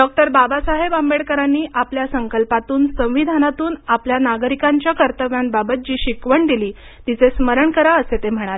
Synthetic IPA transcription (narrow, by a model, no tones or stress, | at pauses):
ɖɔk̚ʈəɾbabasaɦebambeɽkəɾanːiːʔapljasəŋkəlpat̪uːnsə̃w̃ʋid̪ʱanat̪uːnapljanaɡɾikaɲt͡ɕjakəɾt̪əʋjanbabət̪̚d͡ʑiːɕikʋəɳd̪iliː | t̪it͡sesməɾəɳkəɾaəset̪em̤əɽ̃ale